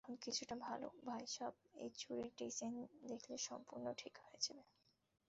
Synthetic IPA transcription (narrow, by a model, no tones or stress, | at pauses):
onkit͡ɕʰuʈabʱalo̰bʱajʃɔb̚ḛjt͡ɕuɾiɾʈisend̪ekʰleʃɔmpuɾnoʈʰikɦoed͡ʑʰabe